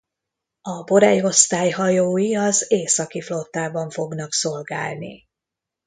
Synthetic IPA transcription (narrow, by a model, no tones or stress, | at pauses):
ɒbo̞ɾɛjo̞st̪aːjɦɒjoːjiɒzeːsɒkiflo̞t̪ːaːbɒɱfo̞ɡnɒkso̞lɡa̰ːlnḭ